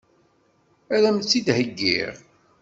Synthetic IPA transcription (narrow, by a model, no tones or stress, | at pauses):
æɾæmt͡sːid̪həɡːḭʁ